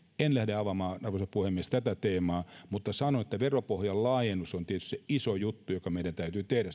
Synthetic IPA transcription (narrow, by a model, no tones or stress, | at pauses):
enlæhdeɑʋɑmɑːɑrʋosɑpuhemːiest̪æt̪æt̪eːmɑːmut̪ːɑsɑnonet̪ːæʋeropohjɑllɑːjenːusont̪iet̪y̥st̪ːseisojut̪ːujokɑmeiɾænt̪æyt̪yːt̪ehɾæ